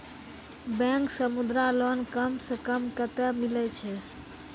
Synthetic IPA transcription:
bɛ̃ŋksəmud̪ɾalɔnkəmsə̃kəmkət̪ɛmilɛt͡ʃʰɛ

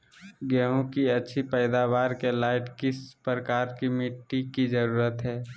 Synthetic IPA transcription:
ɡɛːɦõkiɐtːʃʰipɛːɪd̪aːʋaːɾkelaːɪʈkɪspɾəkaːɾkimɪʈːikizəɾuːɾət̪ɦɛː

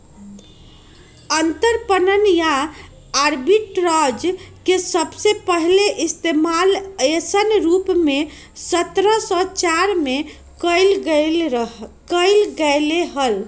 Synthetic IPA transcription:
ənt̪əɾpənənjaː | ɾbiʈɾɔd͡ʒkesəbsepəɦleʔist̪emalesənɾupme | sət̪ɾəsɔt͡ʃaɾme | kəɪlɡ | kəɪlɡəleɦəl

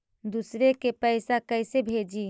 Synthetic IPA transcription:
d̪usɾekepəɪsakəɪsebʱed͡ʒi

